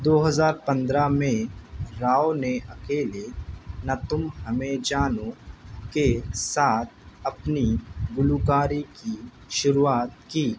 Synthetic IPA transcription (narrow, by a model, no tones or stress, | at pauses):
d̪oːɦəzaːɾpɐ̃nd̪ɾamẽɾaːoneʔɐkeːlenat̪ʊmɦɐmẽd͡ʒaːnokesaːt̪ʰɐpniɡʊlukaːɾiki | ʃʊɾuaːt̪̚kiː